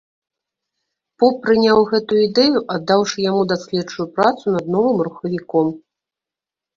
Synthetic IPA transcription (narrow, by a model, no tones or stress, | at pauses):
pɔpːɾɨnʲawɣɛt̪ujuid̪ɛjuʔad̪ːawʂɨjamud̪asʲlʲɛt͡ʂujupɾat̪sun̪ɐd̪nɔvɨmɾuxɐvʲikɔm